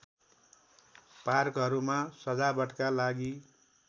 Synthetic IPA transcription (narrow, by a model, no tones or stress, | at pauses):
parkɦʌɾumasʌd͡zabʌʈkalaɡi